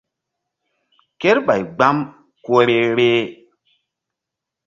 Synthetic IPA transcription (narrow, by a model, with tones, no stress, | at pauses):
ke˦ɾɓa˨jɡ͡ba˦m | ko˦ɾe˦ɾe˦